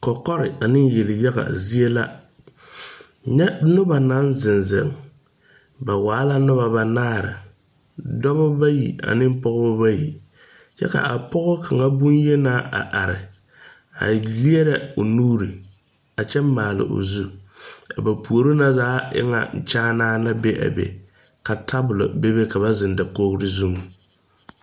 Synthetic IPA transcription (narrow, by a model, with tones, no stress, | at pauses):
kɔ˨kɔ˦ɾɪ˨a˨nɪ˦n˦je˨lɪ˨ja˦ɣa̰˨zi˦e˦la˦˨ | ɲɛ˦nʊ˦ba˨na˨˦nzɪ˨nzɛ̰˨ŋ | ba˨waː˨˦la˦nʊ˦βa˨ba˨naː˦˨ɾɪ̰˨ | dɔ˦βa˦ba˦jḭ˨a̰˨nɪ˦m˦pɔ˦ɣʊ˦bʊ˦ba˦ji˨ | t͡ʃɛ̰˦ka̰˨a˨pɔ˦ɣʊ˦kʰa˨ŋa˦bʊ˦nje˦na˦a̰˨ʔa˨ɾɪ˨ | a̰˨li˦ɛ˦ɾɛ˦o˨nuː˦ɾi˨ | a˨t͡ʃɛː˦aː˨lɪ̰˨ʔo̰˨zu˦a̰˨ba˨pu˨o˨ɾo˦na˦zaː˦ʔɪ̰˦ŋa̰˦˨n̩˦˨t͡ʃaː˦naː˦la˦be˦ʔa̰˨bḛ˨ | ka˨tʰa˦bʊ˨lʊ̰˨be˦be˦ka˨ba˦zɪ˨nda˨ko˦hɾɪ˦zu˦ŋ˨